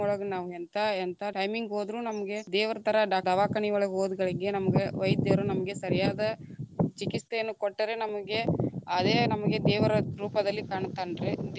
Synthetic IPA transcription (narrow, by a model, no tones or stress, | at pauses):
ɔɭɐɡɐnaːʋuɛnt̪ʰaɛnt̪ʰaʈɐjmiŋɡoːd̪ɾunɐmɐɡe̞d̪ɛːʋɐɾɐt̪ʰɐɾɐɖaːɖɐʋaːkɐɳiʋɐɭɐɡɦoːd̪uɡɐɭiɡe̞nɐmɐɡeʋɐjd̪ɐɾunɐmɐɡe̞sɐɾijaːd̪ɐt͡ʃikist̪ejɐnːukoʈːɐɾe̞nɐmɐɡe̞ɐd̪eːnɐmɐɡe̞d̪ɛːʋɐɾɐɾuːpɐd̪ɐlːikaːɳt̪ːaːɳɖɾe